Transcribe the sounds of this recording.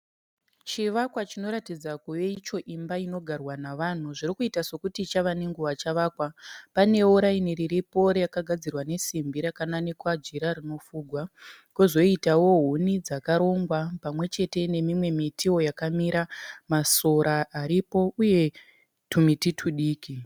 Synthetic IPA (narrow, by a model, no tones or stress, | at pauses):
t͡ʃiʋakwat͡ʃino̞ɾatid͡zakuʋe̞it͡ʃo̞ʔimbaino̞ɡʱarwanaʋan̤uʐiɾikuitaso̞kutit͡ʃaʋaneŋɡuʋat͡ʃaʋaːkwapane̞uɾainiriripo̞ɾejakaɡʱad͡zirwane̞simbʱiɾakanane̞kwad͡ʒiɾarino̞fuːɡʱwa | kuzo̞itawo̞ɦunid͡zakaɾo̞ŋɡwapamwe̞t͡ʃe̞te̞ne̞mimwe̞mitio̞jakamiɾamaso̞ɾaːɾipo̞uje̞ | tʰumititʰuɗiːki